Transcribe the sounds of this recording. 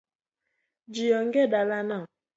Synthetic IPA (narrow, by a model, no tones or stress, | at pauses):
d͡ʒijɔŋ̩ɡedalanɔ